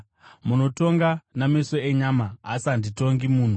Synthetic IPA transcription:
muno̞to̞ŋɡanameso̞eɲama̰ːsandito̞ŋɡimuːn̤u

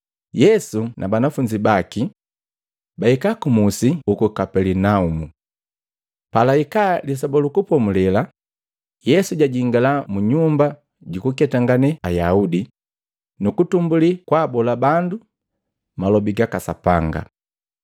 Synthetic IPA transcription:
jɛsunʔabanafuɲd͡ʒibaki | baikakumusiukukapɛlɛnaumu | palaikalis̬abɔlukupɔmulɛla | jɛsuɟaɟiŋɡalamuɲumba | ɟukukɛtaŋɡanɛajaudi | nukutumbulikwaːbɔlabandu | malɔbiɡakasa̰pa̰ŋɡa̰

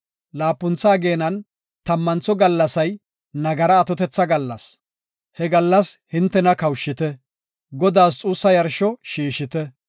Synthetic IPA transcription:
laːpːʊnt͡saːɡe̞ːnɐn | t̪ɐmːɐnt͡sːɔɡɐlːɐsɐj | nɐɡɐɾɐːt̪ɔt̪ɛt͡sːɐɡɐlːɐs | hɛɡɐlːɐshɪnt̪ːɛnɐkɐwʃːɪt̪ɛ | ɡɔd̪aːs̬t͡sʼuːsːɐjɐɾʃɔʃiːʃɪt̪ɛ

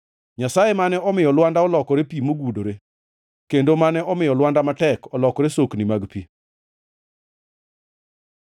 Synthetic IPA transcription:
ɲasajemanɛɔmɪjɔlwandaɔlɔkɔɾepimoɡudoɾe | kendomanɛʔɔmɪjɔlwandamatɛkɔlɔkɔɾesoknimaɡpi

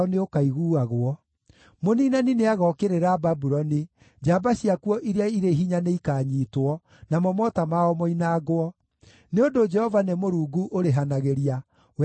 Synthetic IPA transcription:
ɔneokaiɣuːaɣwɔ | moniːnanineaɣɔkeɾeɾaːbabuɾɔni | d͡ʒabaɕiakuɔʔiɾeaiɾeiɦiɲaneikaːɲiːtwɔ | namɔmɔtamaɔmɔinaːɡoɔ | neondod͡ʒɛhɔvanemoɾuːɡuʔoɾeɦanaɣeɾia | w

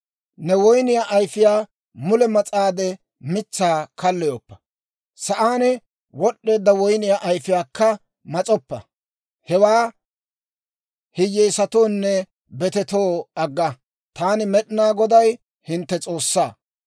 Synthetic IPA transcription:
nɛwɔjnɪjaʔɐjfɪjaː | mʊlɛmɐt͡sʼaːd̪ɛ | mɪt͡sːaːkɐlːɛjɔpːɐ̥ | sɐʔaːnɛ | wɔɗːe̞ːd̪ːɐwɔjnɪjaʔɐjfɪjaːkːɐ | mɐt͡sʼɔpːɐ̰ | hɛwaː | hɪjːɛjsɐt̪o̞ːnːɛ | bɛt̪ɛt̪o̞ːɐɡːɐ | t̪aːnɪmɛɗɪnaːɡɔd̪ɐj | hɪnt̪ːɛt͡sʼo̞ːsːaː

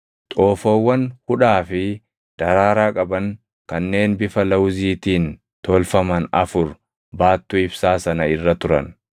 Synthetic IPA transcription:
t̪ʼoːfowːɐnhʊᶑaːfɪ | d̪̥ɐɾaːɾaːkʼɐbɐŋ | kɐnːe̞ːnbɪfɐlɐwziːt̪iːn | t̪ɔlfɐmɐnɐ̰fʊɾ | baːt̪ːʊːɪbsaːsɐnɐɪrːɐt̪ʊɾɐ̰n

